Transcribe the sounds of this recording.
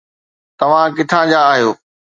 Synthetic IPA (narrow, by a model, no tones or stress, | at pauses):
t̪ɐʋ̤ãkɪt̪ʰãːd͡ʑaːɦijoː